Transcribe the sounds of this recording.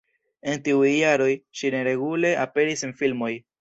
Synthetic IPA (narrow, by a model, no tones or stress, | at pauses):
e̞ntiujːaɾo̞jʃine̞ɾe̞ɡule̞ʔape̞ɾisenfilmo̞j